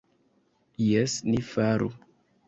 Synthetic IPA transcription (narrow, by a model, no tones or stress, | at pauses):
jesnifaɾṵ